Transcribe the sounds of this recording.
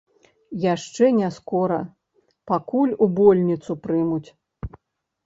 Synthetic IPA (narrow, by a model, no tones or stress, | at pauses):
jaʂt͡ʂɛnʲaskɔɾɐ̰ | pakulʲubɔlʲnʲit̪supɾɨmut͡sʲ